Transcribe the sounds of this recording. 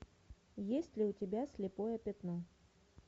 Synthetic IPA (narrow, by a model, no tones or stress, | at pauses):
jesʲtʲlʲɪʊtʲɪbʲasʲlʲɪpojəpʲɪt̪no